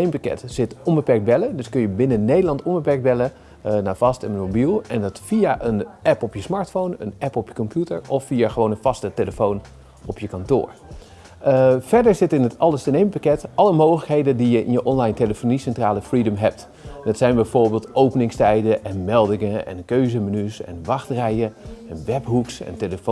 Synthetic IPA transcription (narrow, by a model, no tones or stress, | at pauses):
nejmpakɛ̰tz̥ɪtɔnbəpɛɹk̚bɛlədɵskɵnjəbɪnənejdəlɑntɔnbəpɛɹk̚bɛlə | naːv̥ɑstɛnənmobilˠɛndɑtfiaʔənʔɛpɔpjəsmɑːɹtfownə̰nɛpɔpjəkɔmpjutəɹɔfːiaχəʋownənv̥ɑstəteləfown | ɔpjəkɑntʊ̰ːɹ | v̥ɛɹdəɹzɪtɪnɦətɑlˠəstənejməpakɛtɑləmowχələkɦejdədijəʔɪ̰njəʔɔnlɑjnteləfonisɛntraːləfridəmɦɛp̚t | dɑtsɛjnbɛjvʊːɹbeːlˠtʔowpənɪŋstɛjdəʔɛnmɛlˠdɪŋəɛ̰nkøɥzəmənysɛ̰nʋɑχtrɛjəɛnʋɛpɦuksɛ̰nteləfo